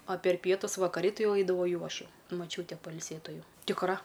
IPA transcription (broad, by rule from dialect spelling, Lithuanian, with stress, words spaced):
ɐ pʲɛr ˈpʲiɛtʊs ʋɐkɐˈrʲɪ ˈtʲɪ ˈjɛʊ ɛɪdɐˈʋɐʊ ˈjɛʊ ˈɐʃ ˈjɛʊ mɐˈt͡ʃʲuːtʲɛ pɐɪlʲˈsʲeːtʊ ˈjɛʊ tʲɪkˈrɐ